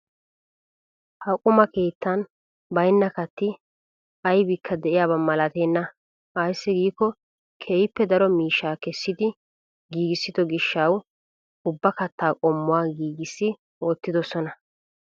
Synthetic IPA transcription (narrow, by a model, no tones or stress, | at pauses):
hɐkʼːʊmɐke̞ːt̪ːɐn | bɐjnːɐkɐt̪ːɪ | ɐjbɪkʰːɐd̪ɛʔɪjaːbɐmɐlɐt̪e̞ːnːɐ | ɐjsːɪɡiːkːɔ | kʰeːjɪpːɛd̪ɐɾɔmiːʃːaːkɛsːɪd̪ɪ | ɡiːɡɪsːɪd̪ɔɡɪʃːɐw | ʊbːɐkɐt̪ːaːkʼɔmːʊwaːɡiːɡɪsːɪ | oːt̪ːɪd̪ɔsɔnɐ